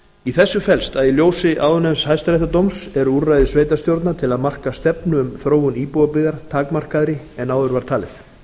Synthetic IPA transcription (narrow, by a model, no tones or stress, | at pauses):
iθɛsːʏfɛlst̪aðiljoːwsɪʔaːwðʏnɛmshajst̪ɾejht̪at̪owmsɛɾurːajðɪsveːjt̪ast̪jowɾt̪̬nat̪ʰɪlaðmar̥kast̪ɛpnʏʏmθɾoːwʏniːpuwapɪɣðaɾ̥t̪ʰaːkmar̥kaðɾɪ | ɛnaːwðʏɾvaɾ̥t̪ʰaːlɪθ